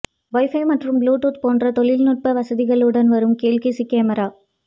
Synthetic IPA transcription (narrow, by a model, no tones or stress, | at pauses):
ʋɔɪfɐɪmɐʈrɯmbluːʈuːt̪poːndrɐt̪ɔɭɪlnʊʈ̚pɐʋɐsɐðɪɣɐɭɯɽɐnʋɐɾɯmkeːlkisikeːmɐɾaː